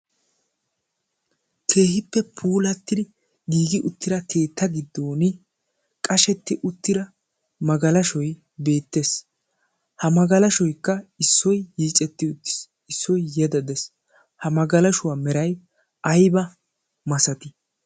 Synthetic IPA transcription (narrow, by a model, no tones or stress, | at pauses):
kʰe̞ːhɪpːɛpʰuːlɐt̪ːɪd̪ɪ | ɡiːɡɪʔʊt̪ːɪɾɐkʰe̞ːt̪ːɐɡɪd̪ːoːnɪ | kʼɐʃɛt̪ːɪʔʊt̪ːɪɾɐ | mɐɡɐlɐʃɔj | be̞ːt̪ːes | hɐmɐɡɐlɐʃɔjkːɐɪsːɔjːiːt͡ʃʼɛt̪ːɪʊt̪ːɪ̥s | ɪsːɔjjɛd̪ɐd̪ɛs | hɐmɐɡɐlɐʃʊwaːmɛɾɐj | ʔɐjbɐ | mɐsɐt̪ɪ̥